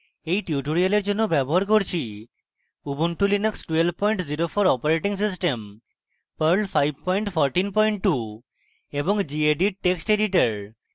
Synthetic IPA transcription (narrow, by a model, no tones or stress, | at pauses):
ejʈiuʈoɾijaleɾd͡ʑonːobɛboɦaɾkoɾt͡ɕʰi | ubunʈulineksʈwelb̚pɔjɳʈziɾofʰoɾɔpaɾeʈiŋs̬is̬ʈem | pəɾlpʰajb̚pɔjɳʈpʰɔɾʈinpɔjɳʈʈu | eboŋd͡ʑieɖiʈeksʈeɖiʈaɾ